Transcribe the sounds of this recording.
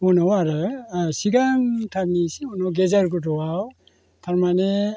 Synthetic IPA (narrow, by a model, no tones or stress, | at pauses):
unɔwaɾɯsiɡaŋtʰabnisiunɔwɡezaɾɡudɔwaw | tʰaɾmane